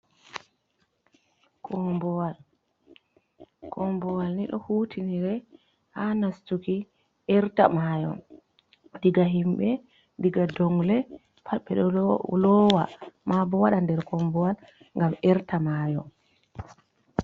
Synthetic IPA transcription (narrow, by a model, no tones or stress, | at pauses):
kʰɔbɔwal | kʰɔmbɔwalniɗɔ̰huːtʰiniɾɛ | hanastuki | ʔɛɾta̰majɔ̰m | diɡaɦimɓɛ | diɡadɔŋlɛ | pʰaɓːɛɗɔlɔwamabɔwaɗandɛɾkɔmbɔwal | ŋɡamɛɾtamajɔ̰m